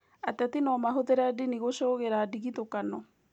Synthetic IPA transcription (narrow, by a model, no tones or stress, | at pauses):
atɛtinɔmaɦoteɾadiniɣoʃoɣeɾaːdiɣitokanɔ